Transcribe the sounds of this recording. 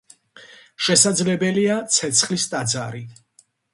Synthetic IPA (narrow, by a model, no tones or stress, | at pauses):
ʃɛsad̪zlɛbɛliat̪sʰɛt̪sʰχlist̪ʼad̪zaɾi